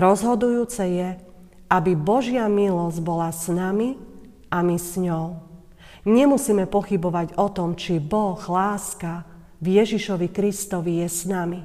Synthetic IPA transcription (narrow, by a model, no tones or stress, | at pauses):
ɾɔzɦɔd̪ujuːt͡sɛjɛ | ʔabibɔʒɪamilɔzɟbɔlasnami | amisɲɔʊ | ɲɛmusiːmɛpɔxibɔʋaɟɔt̪ɔmt͡ʃibɔɣlaːska | vjɛʒiʃɔʋikɾist̪ɔʋijɛsnami